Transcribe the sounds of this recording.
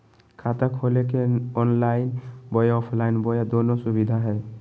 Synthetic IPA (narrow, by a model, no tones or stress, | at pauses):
kʰat̪akʰolekeɔnlaɪnbɔjaɔpʰlaɪnbɔjad̪onosubid̪ʱaɦɛː